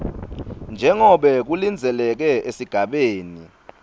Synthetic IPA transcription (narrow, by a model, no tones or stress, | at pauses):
nd͡ʒʱɛŋɔɓɛk̬ulind͡zʱɛlɛk̬ɛʔesiɡ̥ʱaɓeːni